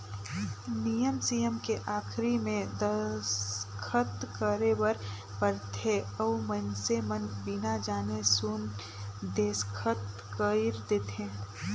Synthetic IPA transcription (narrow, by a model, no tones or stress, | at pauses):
nijəmsijəmkeʔaːkʰɾimẽd̪əskʰət̪kəɾewəɾ | pəɾt̪ʰeɐwmənsemənbɪnad͡ʒaːnesun | d̪eːskʰət̪ | kəɪɾd̪eːt̪ẽː